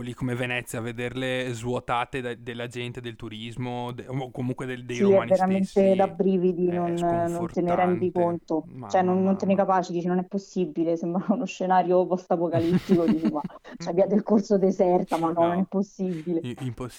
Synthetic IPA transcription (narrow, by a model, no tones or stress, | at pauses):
kolikːomevenɛt̪sːjaved̪erlezvwot̪aːt̪ed̪d̪elːad͡ʒɛnt̪ed̪elt̪uɾizmod̪ekːomuŋkwed̪ed̪esiɛveɾament̪ed̪abɾiːvid̪inonːont̪eneɾɛnd̪ikont̪ot͡ʃoɛnonːont̪enekapaːt͡ʃed̪iːt͡ʃenonɛpːosːibilesembɾaunoʃːenaːɾjopɔst̪apokalipt̪ːikod̪d̪it͡ʃemat͡ʃabiad̪elkorsod̪ezɛrt̪amanːɔnonɛpːosːibileimpː